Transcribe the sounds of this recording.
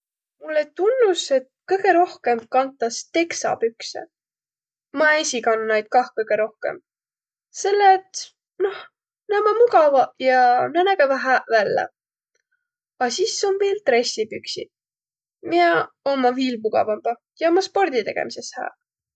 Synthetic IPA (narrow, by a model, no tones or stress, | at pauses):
mulːet̪unːuse̞t̪̚kɤjɡe̞ɾo̞hke̞mkɑnt̪ːˑɑst̪e̞ksɑ̰pyksḛ | mɑesʲikɑnːnɑjd̪̥̚kɑhkɤjɡ̥e̞ɾo̞hkḛm | se̞lːet̪ | no̞h | næmɑmuɡɑvɑjɑnænæɡevɑɦæʔvælːḛ | ɑsiso̞nmejlt̪re̞sʲːipyksḭ | mie | omːɑviːlmuɡ̥ɑ̰vɑmbɑ | jɑomɑspo̞rd̪̥it̪e̞̰ɡ̥e̞̰mise̞shæ̰ː